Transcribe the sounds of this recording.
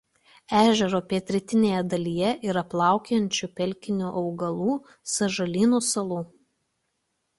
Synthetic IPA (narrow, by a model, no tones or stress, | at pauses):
æːʒʲɛɾoːpʲeːt̪ʲɾʲɪt̪ʲɪnʲeːjɛd̪ɐlʲiːjɛʔɪɾɐplˠɑˑʊkʲɛnʲt͡ʃʲupʲɛlʲkʲɪnʲuːʔɐʊɡɐlˠuː | sɐʒɐlʲiːnuːsɐlˠuː